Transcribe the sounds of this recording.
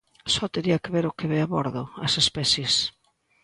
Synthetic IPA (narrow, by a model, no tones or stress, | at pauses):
sɔt̪eɾiɐkɪβeɾʊkeβeaβɔɾðʊɐsespɛθjes